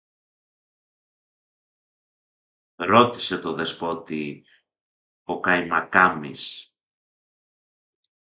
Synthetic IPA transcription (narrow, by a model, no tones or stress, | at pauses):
ɾo̞t̪ise̞t̪oðe̞spo̞t̪i | pokajmɐkamḭs